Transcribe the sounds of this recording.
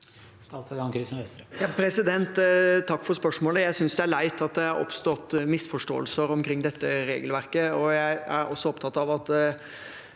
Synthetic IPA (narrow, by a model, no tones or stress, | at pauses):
st̪ɑːt̪sɔɡɑnkʰɾiːsənʋɛst̪ɾəjɑpʰɾɛsɪd̪ɛnt̪t̪ʰːɑkːfɔɾspœʂmoːləjæɪsʏnsd̪ɛæɭæɪt̪ɑt̪̚d̪ɛhɑɾɔ̰pst̪ɔt̪ːmɪsfɔʂʈo̰ːəlsəɾɔmkʰɾɪŋːd̪ɛt̪ːəɾḛːɡəlʋæɾkəɔjæɪæɾʔɔ̰sːɔɔpt̪ʰɑt̪ːɑʋɑt̪ː